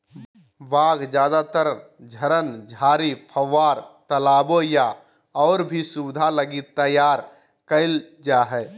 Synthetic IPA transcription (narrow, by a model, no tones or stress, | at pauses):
ʋaːɡd͡ʒjaːd̪at̪əɾd͡ʒʱəɾənd͡ʒʱaːɾipʰəwʋːaːɾt̪əlaːboja | ɔːɾbʱisubɪd̪ʱaləɡit̪ːəjaːɾ | kəɪl | d͡ʒaːɦɛː